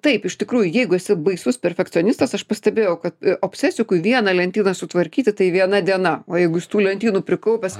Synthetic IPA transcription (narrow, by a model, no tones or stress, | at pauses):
t̪ɐɪpɪʃt̪ʲɪkɾuːjʊjɛɪɡʊɛsʲɪbɐɪsʊspʲɛɾʲfʲɛkt͡ssʲoːnʲɪst̪ɐsɐʃpɐsʲt̪ʲɛbʲeːjɛʊkɐt̪oːpʲsʲɛsʲɪkʊɪʋʲiɛnɐlʲɛnʲt̪ʲiːnɐsʊt̪ʋɐɾʲkʲiːt̪ʲɪt̪ɐɪʋʲiɛnɐd̪ʲiɛnɐoːjɛɪɡʊɪst̪uːlʲɛnʲt̪ʲiːnupʲɾʲɪkɐʊpʲɛs